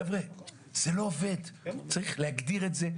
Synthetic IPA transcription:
vʁe | z̥elo̞ːve̞d̪t͡saʁiχlehaɡd̪iʁetze

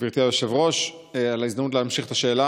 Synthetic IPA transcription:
viʁt̪iajoʃevʁo̞ʃ | alaizd̪amut̬lehamʃiχet̪aʃe̞ːla

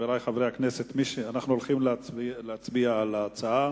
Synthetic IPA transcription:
elajχavʁejhaknese̞t̪miʃeanaχnuolχimlleat͡sbialaːt͡saa

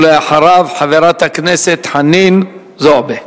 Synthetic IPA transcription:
leaħaɾavħaveɾat̪hakneset̪ħanin | zobe

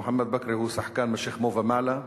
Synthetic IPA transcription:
ħamːæd̪̚bakɾihuːsaħkaːnmaʃiːxmoːvamaʕla

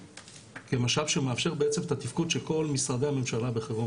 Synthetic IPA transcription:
kemaʃalʃemeafʃe̞ʁbeet͡semt̪at̪ifkudʃelko̞lmisʁad̪ehame̞mʃalabeχeʁo

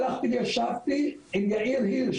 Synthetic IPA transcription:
laχt̪ivjaʃavt̪iimjaʔiɾhiɾʃ

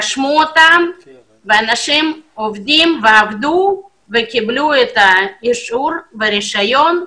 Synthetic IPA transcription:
aʃmuot̪am | veanaʃimovd̪imveavd̪u | vekibluet̪aiʃuɾveɾiʃajo̞n

